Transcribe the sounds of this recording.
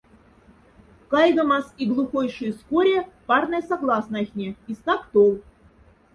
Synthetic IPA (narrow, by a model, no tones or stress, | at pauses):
kɑjɣəmɑsiɡlˠuxojʂɨjskoɾʲepɑrnɨjsaɡlˠɑsnɑxʲnʲeist̪ɑkt̪olˠ